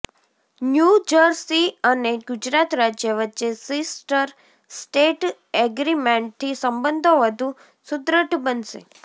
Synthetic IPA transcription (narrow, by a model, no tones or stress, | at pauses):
njud͡ʒəɾsiəneɡʊd͡ʒɾat̪ɾad͡ʒjəʋətːʃesisʈəɾ | sʈeʈ | ɛɡɾimẽɳʈ̚t̪ʰisəmbənd̪ʱoʋəd̪ʱũ | sʊd̪ɾəʈbənʃḛ